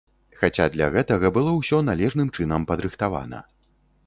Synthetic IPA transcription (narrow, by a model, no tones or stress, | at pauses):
xat͡sʲad̪lʲɐ̰ɣɛt̪ɐɣɐbɨlˠɔwsʲɔnalʲɛʐnɨmt͡ʂɨnɐmpɐd̪ɾɨxt̪ava̰nɐ̰